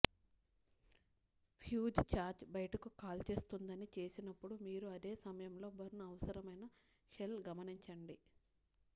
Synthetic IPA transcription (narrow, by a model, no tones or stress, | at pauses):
pʰjuːd͡ʒt͡ʃaːɾd͡ʒbɐjɐʈɐkukaːlt͡ʃe̞ːst̪und̪ɐnit͡ʃe̞ːsinɐpːuɽumiːɾuɐd̪eːsɐmɐjɐmlo̞ːbɐɾnɐɐʋɐsɐɾɐmɐjnɐ | ʃelɡɐmɐniɲt͡ʃɐɳɖi